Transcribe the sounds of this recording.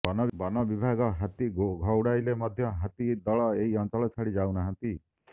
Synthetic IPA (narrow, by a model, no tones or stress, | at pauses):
bɔnɔbbɔnɔbibʱaɡɔɦat̪iɡʱɔwɽajlemɔd̪ʱjɔɦat̪id̪ɔɭɔeɦiɔnt͡ʃɔɭɔt͡ʃʰaɽid͡ʒawnaɦãnt̪i